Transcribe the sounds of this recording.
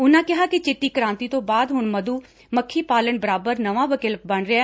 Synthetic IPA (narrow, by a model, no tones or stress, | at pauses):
ʊnãːkɪɦaːkɪt͡ʃɪʈːiːkəɾãːnt̪iːt̪õːbaːd̪ɦʊɳməd̪uː | məkʰːiːpaːləɳbəɾaːbəɾnəʋãːʋəkɪlbəɳɾɪaː